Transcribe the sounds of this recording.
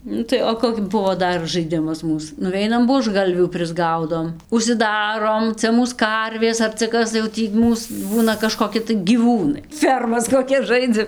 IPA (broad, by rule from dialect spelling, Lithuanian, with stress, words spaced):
ˈnʊ tɐɪ oː ˈkoːkʲ ˈbʊʋoː ˈdɐr ʒɐɪˈdʲɪmɐs ˈmuːs nʊˈʋʲɛɪnɐm buɔʒˈɡɐlʲʋʲuː pʲrʲɪzˈɡɐʊdoːm ʊʃʲsʲɪˈdɑːroːm ˈt͡sʲɛ ˈmuːs ˈkɐrʲʋʲeːs ɐr t͡sʲɛ ˈkɐs tɐɪ jɛʊ ˈtʲiː ˈmuːs ˈbuːnɐ kɐʃkoːˈkʲɪ tɐɪ ɡʲiːˈʋuːnɐɪ ˈfʲɛrmɐs koːˈkʲɛs ˈʒɐɪd͡zɐm